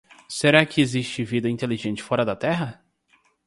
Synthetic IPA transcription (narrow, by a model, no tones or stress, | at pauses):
seɾakɪeziʃt͡ʃɪvid̪ɐĩnt̪eliʒẽnt͡ʃɪ̥fɔɾɐd̪ɐt̪ɛɦɐ